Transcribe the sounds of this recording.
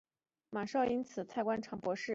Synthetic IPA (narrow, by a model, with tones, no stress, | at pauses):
ma˨˩ʂɑ˥˩ʊi˥nt͡sʰɹ̩˨˩t͡sʰa˥˩ɪkwa˥nʈ͡ʂʰɑ˧˥ŋpwɔ˧˥ʂɻ̩˥˩